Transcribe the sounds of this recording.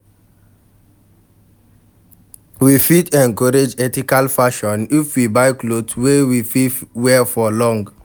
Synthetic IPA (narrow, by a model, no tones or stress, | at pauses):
wifitʰɛ̃nkɔɾed͡ʒɛtikalfaʃɔ̃nifwibaɪklodwewifiwɛfɔlɔ̃ŋɡ